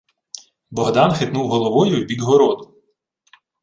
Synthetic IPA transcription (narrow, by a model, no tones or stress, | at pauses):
bɔɦd̪ɑnxɪt̪nuwɦɔlˠɔʋɔjʊibʲid̪ʲɦɔɾɔd̪ʊ